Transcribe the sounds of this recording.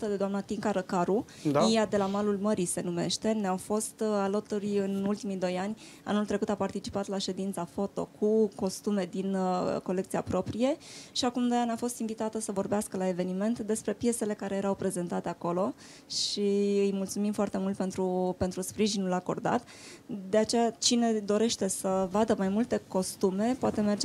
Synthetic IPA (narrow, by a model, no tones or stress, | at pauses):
t̪əd̪ed̪oamnat̪iŋkaɾəkaɾu | aijad̪e̞lamalulməɾise̞nume̞̰ʃt̪e̞neawfo̞st̪alot̪urʲɨnult̪imid̪o̞janʲ | a̰nult̪ɾe̞kut̪apart̪it͡ʃi̥pat̪laʃe̞d̪int̪safo̞t̪o̞̰kʰuko̞st̪ume̞d̪inko̞le̞k̚t̪sijapɾo̞pɾije̞ʃiakumd̪o̞janafo̞st̪iɱvit̪at̪əsəvo̞rbeaskəlae̞ve̞nime̞nt̪d̪e̞spɾe̞pje̞se̞le̞kaɾe̞je̞ɾawpɾe̞ze̞nt̪at̪e̞ako̞lo̞ | ʃiɨjmult̪sumimfoart̪e̞mult̪̚pe̞nt̪ɾupe̞nt̪ɾuspɾiʒinulako̞̰rd̪a̰t̪ | d̪e̞at͡ʃejat͡ʃine̞d̪o̞ɾe̞ʃt̪e̞səvad̪əmajmult̪e̞ko̞st̪ume̞poat̪e̞me̞rd͡ʒe